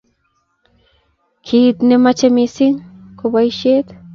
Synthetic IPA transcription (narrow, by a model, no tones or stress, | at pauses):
kʰiːt̪nemat͡ʃemisiŋkʰobajʃet̪